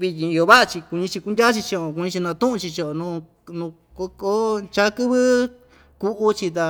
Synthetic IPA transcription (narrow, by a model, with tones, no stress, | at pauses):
βi˧ɲĩ˧i˧o˧βa˦ʔa˧t͡ʃi˧ku˧ɲĩ˧t͡ʃi˧ku˧ndʲa˦t͡ʃi˧t͡ʃi˧o˨ku˧ɲĩ˧t͡ʃi˧nã˧t̪ũ˦ʔũ˧t͡ʃi˧t͡ʃo˧˨o˨˧nũ˧ | nũ˧ | ko˧ko˦t͡ʃa˦kɨ˦βɨ˦ | ku˧ʔu˧t͡ʃi˧t̪̬a˧